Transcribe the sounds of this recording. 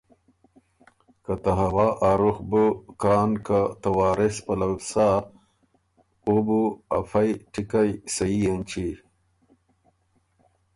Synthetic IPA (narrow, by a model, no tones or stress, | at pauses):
kat̪aɦɐwaːʔaɾuxbukaːnkat̪ɐwaːɾespɐlawsa | ubuɐ̰fajʈikajsɐijɐnt͡ʃi